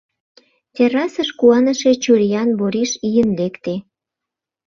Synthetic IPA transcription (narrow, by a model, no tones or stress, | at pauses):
t̪ʲeɾɑsəʃkuɑnəʃe̽t͡ɕuɾijɑnboɾiʃijənlekt̪e